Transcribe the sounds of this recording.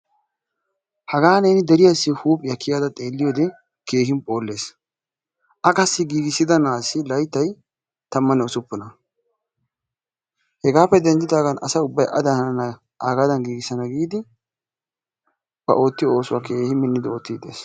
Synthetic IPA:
hɐɡaːneːnɪd̪ɛɾɪjɐsːɪhuːpʼjɐkːɪjaːd̪ɐt̪ʼe̞ːlːɪjoːd̪ɛ | ke̞ːhɪmpʼo̞ːlːe̞ːs | ʔɐkɐsːɪɡiːɡɪsːɪd̪ɐnaːsːɪlɐjt̪ːɐj | t̪ɐmːɐnːɛʊsʊpːʊnɐ | hɛɡaːpːɛd̪ɛnd͡ʒ̪ɪt̪aːɡɐnɐ̰sɐʊbːɐjʔɐd̪ɐnɐ | ʔaːɡaːd̪ɐnɡiːɡɪsɐnɐɡiːd̪ɪ | b̥ɐ̰ʔo̞ːt̪ːɪjo̞ːsʊwaːke̞ːhɪmɪnːɪd̪ɪo̞ːt̪ːiːd̪ḛːs

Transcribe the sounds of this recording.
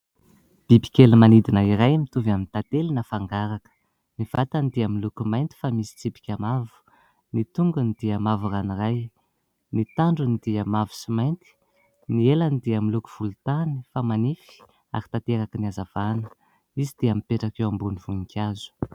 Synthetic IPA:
b̥ibi̥kʲelimanid̪inəiɾajmit̪uvamint̪at̪elinəfaŋɡaɾakə̥ | niv̥at̪anid̪iamilukumajnt̪i̥famisi̥t͡sipi̥kʲamavu̥ | nit̪uŋɡənid̪̥iamavuraniraj | nit̪aɳɖ͡ʐunid̪̥iamavu̥simajnt̪i̥ | nielanid̪iamiluku̥v̥ult̪ani̥famanifi̥ | a̰ɾi̥t̪at̪eɾakəniazav̥anə̥ | izid̪̥iamipeʈ͡ʂakewambuniv̥unikʲʰazu̥

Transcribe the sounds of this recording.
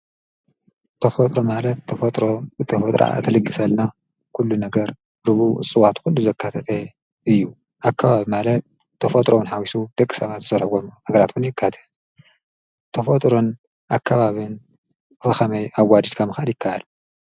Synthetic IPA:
t̪ʰɐfɐt̪ʼɾomalɐt̪ʰːɐfɐt̪ʼɾobɨt̪ʰɐfɐt̪ʼɾʔa̰t̪ʰɐlɨkʼːɨsɐlna | kʰulːunɐɡɐɾ | ɾɨβṵɨ̰sʼɨwat̪xulːuzɐkːat̪ʰɐt̪ʰe | ʔɨjːu | ʔakʰːaβaβimalɐt̪̚ | t̪ʰːɐfɐt̪ʼɾowunħawisud̪̥ɐkʼːi̥sɐβat̪ɨzɐɾhɡomnɐɡɐɾat̪wunjɪkʰːat̪ʰɐ̥t̪ | t̪ʰɐfɐt̪ʼɾo̞n | ʔakʰːaβaβɨn | ɨfɐxɐmɐjʔawːad͡ʒ̪ɨd̪kʰamɨxad̪jɪkʰːaʔal

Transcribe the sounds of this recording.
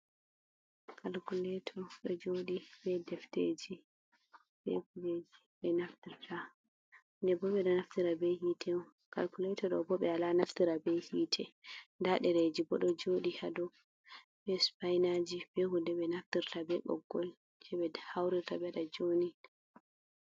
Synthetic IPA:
kʰalkulɛtʰɔɗɔd͡ʒoɗibɛdɛfted͡ʒi | b̥ɛ̰huled͡ʒi | ɓɛnaftiɾtʰa | ndɛbɔɓɛɗɔnaftiɾabɛhitʰɛ | kalkulɛtɔɗɔ̰bɔɓɛalanaftiɾabɛjhiːtʰɛndaɗɛɾed͡ʒibɔɗɔd͡ʒoɗihadɔ | bɛspajnad͡ʒib̥ɛhudɛbɛnaftiɾtabɛɡɔ̰ɡːɔl | d͡ʒɛbɛhawɾiɾtabɛɗad͡ʒoni

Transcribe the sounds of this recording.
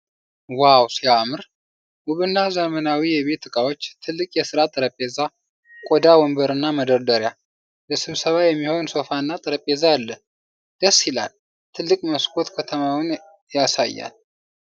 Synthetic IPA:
wawsiamɨɾ | ʔuβɨnːazəmənawijɛβe̞t̪ɨkʼawo̞t͡ʃːt̪ʰɨlːɨkʼjɛsɨɾat̪ʼɨɾəpʼːeza | kʼod̪awɔmbəɾɨnːaməd̪əɾd̪əɾja | ləsɨβsəβajɛmːiho̞nso̞fanːat̪ʼɨɾəpʼːezalːə | d̪̥əsːila̰l | t̪ʰɨlːɨkʼməskʰo̞t̪kʰət̪ʰəmawn | jasa̰jːa̰l

